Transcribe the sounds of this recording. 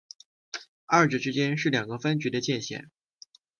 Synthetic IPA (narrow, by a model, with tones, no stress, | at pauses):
ɐ˥˩ʈ͡ʂɻ̩˥˩ʈ͡ʂɻ̩˥t͡ɕjɛ˥nʂɻ̩˥˩ljɑ˨˩ŋɡə˦fə˥nt͡ɕy˧˥d̪ə˧t͡ɕjɛ˥˧nɕjɛ̰˥˩˦n